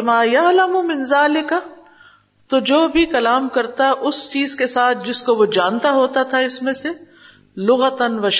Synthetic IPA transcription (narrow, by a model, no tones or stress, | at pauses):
maːjɐlɐmumɪ̃nzaːlɪkɐ | t̪od͡ʒoːbʱikɐlaːmkɐɾt̪aʔʊst͡ʃiːzkesaːt̪̚ʰd͡ʒɪskoʋod͡ʒaːnt̪aɦoːt̪at̪ʰaɪsmẽse | lʊɣɐt̪ɐnʋɐʃ